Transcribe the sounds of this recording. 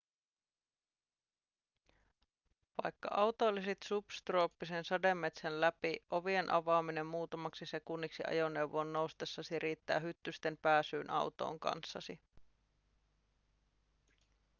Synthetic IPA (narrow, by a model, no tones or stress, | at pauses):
ʋɑ̰jkːɑ̰ʔɑwt̪olːiset̪supst̪ro̞ːpːisensɑde̞mːe̞t̪sænlæpiʔo̞ʋie̞nʔɑʋɑːmine̞mːuːt̪ɑmɑksise̞kunːiksiʔɑ̰jo̞nːe̞uwʋoːnːo̞wst̪esːɑsiɾʔiːt̪ːæ̰ːɦyt̪ːyst̪e̞mpæːsyːnʔɑ̰wt̪o̞̰ːŋkɑ̰nsːɑsi